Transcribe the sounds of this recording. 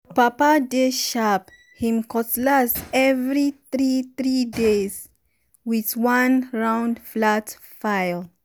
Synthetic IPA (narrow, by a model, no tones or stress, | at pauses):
papadeʃap | hĩmkʰɔtlastɛvɹiθɹiθɹidez̥ | wiðwãnɹãʊ̃ndflat | faɪl